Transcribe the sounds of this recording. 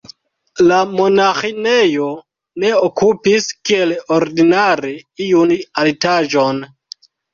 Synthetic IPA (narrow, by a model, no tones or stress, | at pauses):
lamo̞naxine̞jo̞ | ne̞okupiskieloɾdinaɾeijunalitaʒo̞n